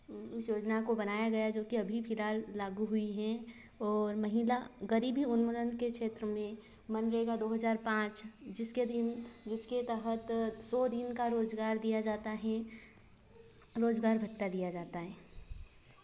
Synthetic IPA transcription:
ʊsjoːd͡ʒnakobɐnaːjaɡɐjad͡ʒoːkiɐbʱipʰɪlaːlːaːɡuɦʊiɦɛ̃ | ɔːɾmɐɦilaɣɐɾiːbʱɦiʊnmʊlənkekʃeːt̪ɾəmẽ | mɐnɾɐɦeːɡad̪oːɦɐzaːɾpãːt͡ʃd͡ʒɪsked̪ɪnd͡ʒɪsket̪ɛɦət̪sɔːd̪ɪnkaɾoːzɡaːɾd̪ijad͡ʒaːt̪aɦɛ | ɾoːzɡaːɾbʱɐtt̪ːad̪ijad͡ʒaːt̪aɦɛː

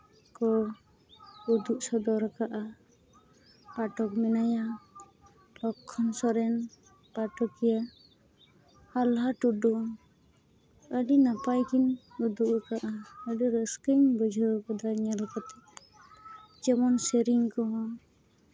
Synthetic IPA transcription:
kɔ | ud̪uʔsɔd̪ɔɾakaʔa | paʈɔk̚mɛnaja | lɔkʰːɔnsɔɾɛn | paʈɔkija | alɦaʈuɖɔ | əɖinapajkinud̪uʔkaʔaəɖiɾəskiŋbəd͡ʒʱɔkɔd̪aɾɲalkɔt̪ɛ | d͡ʒɛmɔnsəɾiŋkɔɦɔ̃

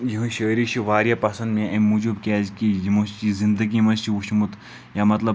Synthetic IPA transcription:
jiɦɨ̃ʃəːɾiʃiʋaːɾjɐpɐsɐ̃nd̪mẽʔɐmud͡ʒubkʲaːzkijimɐst͡ʃizind̪ɐɡimɐst͡ʃiuʃmut̪ | jamɐt̪lɐb

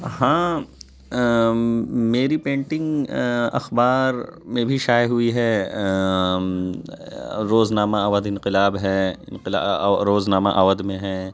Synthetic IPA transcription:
hãː | meːɾipẽːɳʈɪ̃ŋɡɐ̰xbaːɾmẽbʱiʃaːjɦuiɦɛ | ɾoːznaːmaɐʋəd̪ɪ̃nqɪlaːbɦɛːɪ̰̃nqɪla̰ɾoːznaːmaʔaːʋəd̪mẽɦɛ̃ː

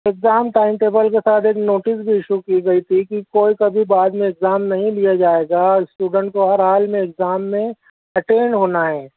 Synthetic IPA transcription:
ɪkzaːmʈaːɪmʈeːbəlkesaːt̪ʰeːknoːʈɪsbʱiɪʃukiɡɐit̪ʰikikoːikɐbʱibaːd̪mẽɪkzaːmnɐɦĩlijad͡ʒaːeːɡaɪsʈuːɖə̃ɳʈ̚koɦɐɾɦaːlmẽːkzaːmːẽ | ɐʈeːnɖɦoːnaɦɛː

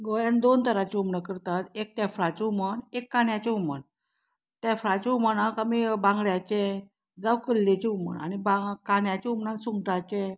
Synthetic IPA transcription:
ɡojand̪ont̪əɾat͡ɕeumɳəkəɾt̪at̪ek̚t̪afɾat͡ɕeumənekːaɳjat͡ɕeumə̰ɳ | t̪jafɾat͡ɕeumənakamibãŋɡɭjat͡ɕe | d͡zawkəlːet͡ɕeumə̰ɳa̰nibakaɳjat͡ɕɛumɳãnsuŋɡʈat͡ɕe

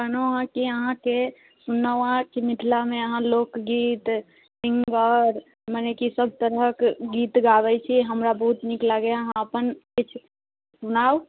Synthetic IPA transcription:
kənoɦãkiəɦãke | sunawãt͡ʃimɪt̪ʰlamẽəɦãloːkɡiːt̪ | sɪ̃ŋɡəɾ | mənekisəb̚ʱt̪əɾəkɡiːt̪ɡaʋɛt͡ʃʰiɦəmɾabəɦut̪niklaɡəjaɦãəpənkit͡ʃʰ | sunaːw

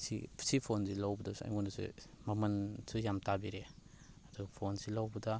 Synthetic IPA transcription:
sḭsipʰonsilawbɐdasa̰jmunasṵmɐmɐnsujamtabiɾe | aduɡɐpʰonsilawbɐda

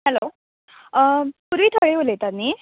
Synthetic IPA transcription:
hɛlo | puɾʋiːt̪ʰəɭeʋolet̪anːi

